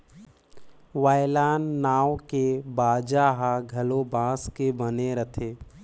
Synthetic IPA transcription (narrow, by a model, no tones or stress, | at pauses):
ʋaːjɪlaːnːaːwkebaːd͡ʒaːɦaɡʱɐlobãːskebəneɾət̪ʰeː